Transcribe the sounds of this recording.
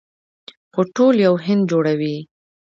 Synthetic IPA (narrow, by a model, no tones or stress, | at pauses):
xoʈoljawɦɪnd̪̚d͡ʒoɽawi